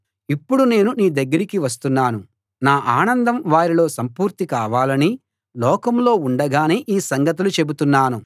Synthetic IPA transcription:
ipːuɽune̞ːnuniːd̪ɐɡːɐɾikiʋɐs̬t̪unːaːnu | naːʔaːnɐnd̪ɐmʋaːɾilo̞ːsɐmpuːɾt̪ikaːʋaːlɐni | lɔːkɐmlo̞ːuɳɖɐɡaːneːʔiːsɐŋɡɐt̪̬ulut͡ʃe̞but̪unːaːnu

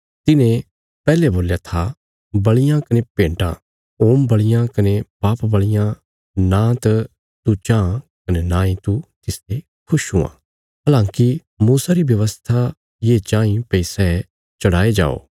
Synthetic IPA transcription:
t̪ɪnẽ | pɛːleboːljat̪ʰa | bɐɭɪjãkɐnepẽːɳʈã̰ | oːmbɐɭɪjãkɐnepaːpbɐɭɪjã | nãt̪ | t̪ut͡ʃãːkɐnenãːĩt̪ut̪ɪst̪e | kʰʊʃɦũã̰ː | ɦɐlãːki | muːsaɾibjɐʋəst̪ʰa | jeːt͡ʃãːĩpɛisɛɛ | t͡ʃɐɽaːed͡ʒa̰ːo̰ː

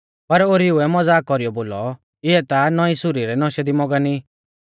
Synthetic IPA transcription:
pɐɾoɾiuɛmɔd͡zaːkːɔɾijɔboːlɔ | ɪɛt̪anɔĩsʊɾiɾɛnɔʃɛd̪imɔɡani

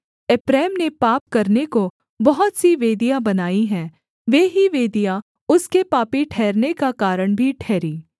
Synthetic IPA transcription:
ɪpɾɛːmnepaːp̚kɐɾneko | bɐɦʊt̪siʋeːd̪ijabɐnaːiɦɛː | ʋeːɦiʋeːd̪ija | ʊskepaːpiʈʰɛːɾnekakaːɾəɽ̃bʱiʈʰɛːɾiː

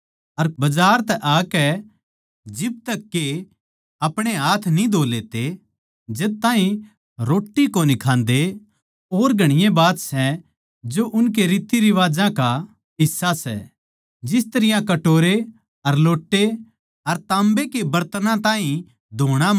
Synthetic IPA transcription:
ɐɾbɐd͡ʒaːɾt̪ɛʔaːkɛ | d͡ʒɪb̚t̪ɐkːe | ɐpɽ̃eɦaːt̪ʰnĩd̪ʱoːlet̪e | d͡ʒeːt̪ãːɦĩ | ɾoːʈːikonɪkʰãːnd̪e | oːɾɡʱɐɽ̃ɪjẽbaːt̪sɛ | d͡ʒoʔʊnk̬eɾiːt̪iɾiʋaːd͡ʒãka | ɦɪsːasɛ̰ | d͡ʒɪst̪ɐɾɪjãkɐʈoːɾe | ɐɾloːʈːe | ɐɾt̪ãːmbekebɐɾt̪nãt̪ãːɦĩ | d̪ʱoːɽ̃a

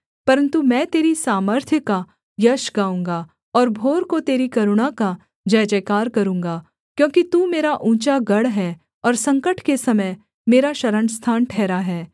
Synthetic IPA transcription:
pɐɾə̃nt̪umɛ̃ːt̪eːɾisaːməɾt̪ʰjəka | jɐʃɡaːũːŋɡaː | ɔːɾbʱoːɾkot̪eːɾikɐɾʊɽaka | d͡ʒɐːd͡ʒəːkaːɾkɐɾũːŋɡaː | kjõːkit̪umeːɾaʔũːt͡ʃaɡɐɽɦɛ | ɔːɾsɐ̃ŋkəʈʰkesɐməj | meːɾaʃɐɾəɳst̪ʰaːnʈʰɛːɾaɦɛː

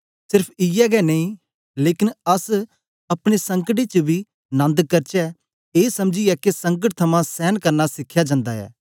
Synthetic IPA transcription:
sɪɾpʰɪjɛɡɛnɐĩ | leːkɪnɐs | ɐpɽ̃esɐ̃ŋkəʈet͡ʃɐbʱi | nɐ̃nd̪kɐɾt͡ʃɛ | eːsɐmd͡ʒiɛkesɐ̃ŋk̬əʈ̚t̪ʰɐmãsɛːnkɐɾnasɪkʰːjad͡ʒãːnd̪aɛ̰ː

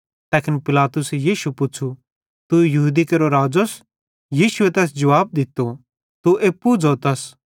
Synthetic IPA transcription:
t̪ɛːkʰɪnpɪlaːt̪ʊsɛjiːʃupʊːt͡ʃʰu | t̪ujɐɦuːd̪ikeɾoɾaːd͡ʒos | jiːʃʊet̪ɛːs̬d͡ʒɐʋaːb̚d̪ɪt̪ːo | t̪uʔeːpːud͡zot̪ɐs

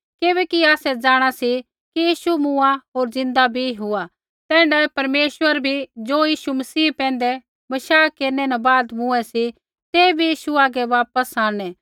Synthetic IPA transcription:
keβɛkiaːsɛd͡zaːɽ̃asi | kijiːʃumʊ̃aɦoːɾzɪ̃nd̪abʱiɦʊa | t̪ɛ̃ːɳɖɛpɐɾmeːʃʋəɾbʱid͡ʒoːjiːʃumɐsiːpɛ̃ːnd̪ɛ | bɐʃaːkeːɾnɛnãbaːd̪mʊ̃ɛsi | t̪eːbʱijiːʃuaːɡɛʋaːpəsãːñɛ̃

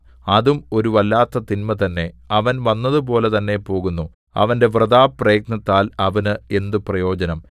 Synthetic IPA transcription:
ɐðumo̞ɾuʋɐlːaːt̪ːɐt̪inmɐt̪ɐnːe̞ɐʋɐnʋɐnːɐðup̬o̞ːle̞t̪ɐnːe̞po̞ːɣunːu | ɐ̰ʋɐnde̞ʋrɨðaːprɐjɐknɐt̪ːaːlɐʋɐnɨe̞nd̪uprɐjo̞ːd͡ʑɐnɐm

